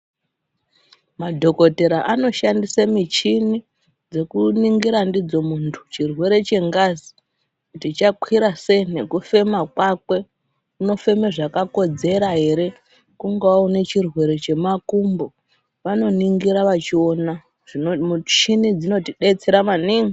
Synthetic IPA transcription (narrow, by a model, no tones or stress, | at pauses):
madʱo̞ko̞te̞ɾaʔano̞ʃandisamit͡ʃini | d͡ze̞kuniŋɡiɾandid͡zo̞muntʰu̥t͡ʃirwe̞ɾe̞t͡ʃe̞ŋɡazi | kutit͡ʃakwiɾase̞ine̞kufe̞makwakwe̞ | uno̞fe̞meʐakako̞d͡ze̞ɾaɦe̞ɾe̞ | kuŋɡaaunet͡ʃirwe̞ɾe̞t͡ʃe̞makumbo̞ | ʋano̞niŋɡiɾaʋat͡ʃio̞na | ʐit͡ʃinid͡zino̞tiɗe̞t͡seɾamaniŋɡi